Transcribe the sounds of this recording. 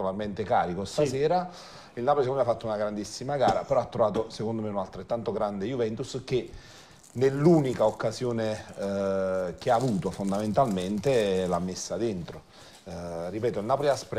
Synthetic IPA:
olarment̪eka̰ːɾikost̪asɛːɾa | ilnaːpoliskonmafːat̪ːounaɡɾand̪isːimaɡaːɾa̰peɾɔat̪ːɾovaːt̪osekond̪omeunalt̪ɾet̪ːant̪oɡɾand̪ejuvɛnt̪usk̟e | nelːuːnikaokːazjoːne | k̟eaːvuːt̪ofond̪ament̪alment̪elamːesːad̪ent̪ɾo | ripɛːt̪oilnaːpoliaspɾ

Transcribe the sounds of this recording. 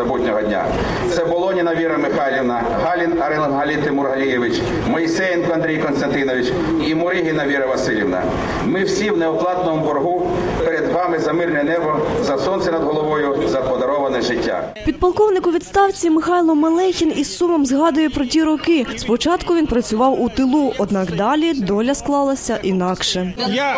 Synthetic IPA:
ɔbutʲnʲɔɦɔdʲnʲa̰ | t̪sɛbɔlˠɔnʲinɐʋʲiɾɐmɪxɑlʲiʋnɐ | ɦɑlʲinɐɾɛlˠɐnɦɐlʲit̪ɪmurɦɐlʲijeʋɪt͡ʃ | mɔisɛjinkɔɐnd̪ɾʲijkɔnst̪ɐnt̪ɪnɔʋʲit͡ʃ | imɔɾɪɦinɐʋʲiɾɐʋɐsɪlʲiʋnɐ̰ | mɪwsʲiwnɛɔplˠɑt̪nɔmʊbɔrɦu | peɾed̪ʋɑmɪzɐmɪrnɛnɛbɔzɐsɔnsɛnɐd̪ɦɔlˠɔʋɔjʊzɐpɔd̪ɐɾɔʋɐnɛʒɪtʲːa̰pʲid̪̚pɐlˠkɔwnɪkʊʋʲid̪st̪ɑwt͡sʲimɪxɑjlˠɔmɐlˠɛjxʲinissumɔmzɦɑd̪ʊjɛpɾɔtʲiɾɔkɪspɔt͡ʃɑt̪kʊʋʲinpɾɐt͡sʲʊʋɑwut̪ɪlˠuʔɔd̪nɑkd̪ɑlʲid̪ɔlʲɐsklˠɑlˠɐsʲɐʔinɑkʃɛ

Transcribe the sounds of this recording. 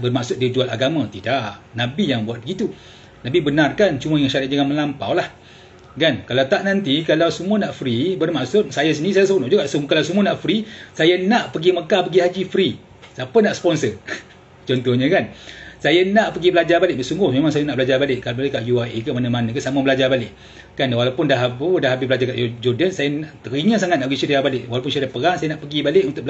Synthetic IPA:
bərmaʔsʊt̪̚did͡ʒualaɡamãt̪idaʔnabijaŋbuat̪̚bəɡit̪u | t̪abibənarkant͡ʃuməjaŋʃaɾaʔ̪̚d͡ʒaŋanməlampa̰wlah | ɡankalawt̪aʔnant̪ikalawsəmuənaʔfɾibərmaʔsʊt̪̚sajas̬əniisajasəponʊʔd͡ʒuɡaʔsəmkalawsəmuənaʔfɾisajanaʔpəɡiməkapəɡiɦad͡ʒifɾi | sapənaʔsə̥pɔnsə | t͡ʃɔnt̪ɔhɲəkansajanaʔpəɡibəlad͡ʒabalɪʔəsuŋɡʊhmemaŋsajanaʔbəlad͡ʒabalɪʔkalbalɪʔkaʔjuaʔikəmanəmanə̃k̬ənsaməbəlad͡ʒarbalɪʔ | kanwalawpʊndahɦapədahɦabɪsbəlad͡ʒarkaʔd͡ʒɔdənsajanaʔt̪əɾiɲəsaŋat̪̚naʔpəɡisadijabalɪʔwalawp̬ʊnsiadapəɾaŋsajənaʔpəɡibalɪʔunt̪ʊʔ̚b

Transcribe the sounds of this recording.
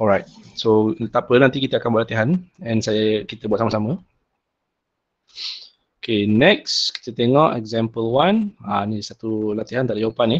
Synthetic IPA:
ɔlɹajt̚sot̪apənãnt̪ikit̪əakanbuaʔ̚lat̪iɦanɛ̃nsajəkit̪əbuat̪̚samasamə̃ | okʰenɛkski̥t̪ət̪eŋɔʔɛ̰ɡzɛ̃mpəlwananisat̪ulat̪iɦant̪aʔdajapani

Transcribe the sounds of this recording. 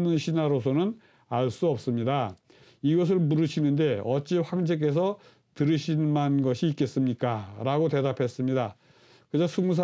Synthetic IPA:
nɯnɕʰinaɾosʰonɯn | aɭs͈uʌp̚s͈ɯmɲida | iɡʌs̬ʰɯɭmuɾɯɕʰinɯnde̞ʌt͡ɕ͈iɸwaŋd͡ʑeke̞s̬ʰʌ | tɯɾɯɕʰinmanɡʌɕʰiːk͈e̞s͈ɯmɲik͈aɾaɡote̞dapʰe̞s͈ɯmɲida | kɯd͡ʑasʰuŋs̬ʰa

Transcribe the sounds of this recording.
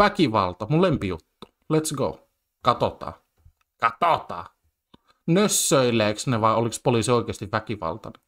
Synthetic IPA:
ækiʋɑ̰lt̪ɑmullempijut̪ːu̥ | let̪sɡou | kɑt̪ot̪ɑ̰ː | kɑt̪ot̪ɑ̰ː | nøsːøilˑeːksneʋɑiolikspoliˑːsioikeːst̪iʋʋækiʋɑ̰lt̪ɑ̰ne

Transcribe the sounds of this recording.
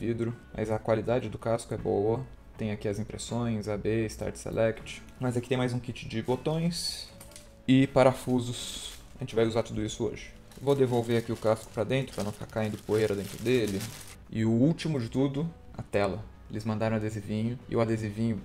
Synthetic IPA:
vid̪ɾʊmʔɐ̰zɐkwalid̪ad͡ʒɪd̪ʊkaskʊɛbowɐ | t̪ẽj̃akiɐzĩpɾḛsõj̃zabeɪst̪a̰ɾt͡ʃsḛlʔɛkt͡ʃɪ̥ | mɐzakit̪ẽj̃majzũkit͡ʃɪd͡ʒɪbot̪õj̃s | ɪpaɾɐfuzʊs | ɐʒẽt͡ʃɪvajuzaɾt̪ud̪ʊisʊo̰ʒɪ | vod̪evowveɾakiʊkaskʊ̥pɾɐd̪ẽnt̪ɾʊpɾɐnɐ̃w̃fi̥kaɾkaĩnd̪ʊpoejɾɐd̪ẽnt̪ɾʊd̪elɪ | ɪʊut͡ʃimʊd͡ʒɪt̪ud̪ʊ | ɐ̰t̪ɛlɐ | elɪzmɐ̃nd̪aɾɐ̃ad̪ezɪvĩɲʊɪ̰ʊad̪ezɪvĩɲʊ

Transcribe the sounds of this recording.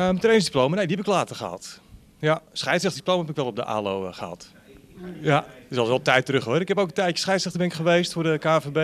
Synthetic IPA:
mtrejnsdiplowmanejdiɛpɪklaːtərχəha̰t | jasχɛjtsrɛxtdiplowmaɦɛpɪkʋɛlˠɔb̚də̰ʔa̰ːlo̰wχəha̰t | jasɔlˠsɛlˠtɛjtərɵχhɔrɪkɛpowkəntɛjtjə̥sχɛjtsɛxtəbɛnɪkχəʋejstfʊrdəkaːfebe

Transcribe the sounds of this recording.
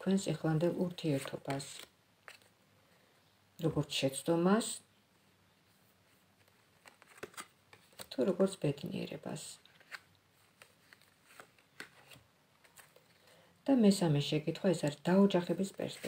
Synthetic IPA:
kʰwɛnsiχland̪ɛlˠuɾt̪ʰiɛɾt̪ʰɔb̥as | ɾɔɡɔɾt̪sʰʃɛt̪sʰd̪ɔmas | t̪ʰuɾɔɡɔɾt̪sʰb̥ɛd̪nḭɛ̰ɾɛ̰ba̰s | d̪̥amɛsamɛʃɛkʼit̪ʰχwaɛsaɾisd̪̥aɔd͡ʒaχɛbispʼɛ̰ɾspʼɛ

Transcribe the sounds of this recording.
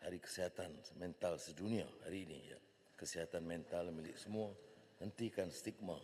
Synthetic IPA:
haɾikə̥siɦat̪anmɛnt̪alsədunia̰ha̰ɾiːnḭja̰ | kəsiɦat̪anmɛnt̪almilɪ̰ʔ̚səmua | hənt̪ikanst̪ik̚ma

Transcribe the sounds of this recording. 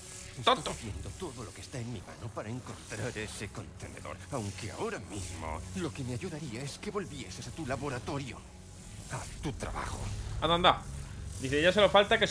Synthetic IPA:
st̪oot̪oθje̞nd̪ot̪o̞ðo̞lo̞kest̪aenmima̰no̞paɾaeŋko̞nt̪ɾaɾe̞se̞ko̞nt̪e̞neðo̞̰ɾawŋke̞a̰o̞ɾamizmo̰lo̞ke̞meaʝuðaɾiae̞ske̞βo̞lβje̞sesat̪ulaβo̞ɾat̪o̞ɾjo̰ | at̪ut̪ɾa̰βa̰xo̰aðand̪ad̪iθeʝaselofalt̪akes

